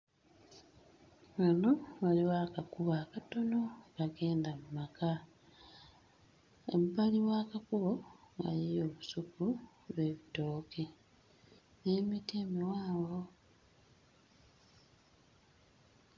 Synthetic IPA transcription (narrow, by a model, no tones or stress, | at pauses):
wano̞waliwaːkakuβaːkato̞no̞kaɡe̞ːndamumaka | ḛβbaliβwaːkakuβoɡa̰lio̞ːβusuku | βe̞βitoːke | neːmiteːmiwaːβɡo̞